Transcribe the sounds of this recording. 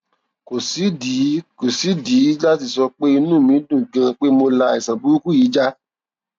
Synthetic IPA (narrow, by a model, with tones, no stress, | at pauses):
ko˨si˨˦di˨˦ko˨si˨˦di˨˦la˦ti˧˨sɔ˧k͡pe˦i˧nũ˦˨mĩ˨˦dũ˦˨ɡã˧k͡pe˦mo˧la˧i˨sã˨bu˨˦ɾu˦ku˦iː˨˦d͡ʒa˧